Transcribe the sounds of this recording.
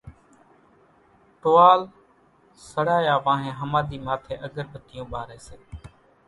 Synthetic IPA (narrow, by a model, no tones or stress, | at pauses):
ʈoːaːl | səɽaːjaːʋãːɦẽːɦəmaːɗ̪iːmaːt̪ʰeːʔəɡəɾbət̪ɪjõːɓaːɾeːseː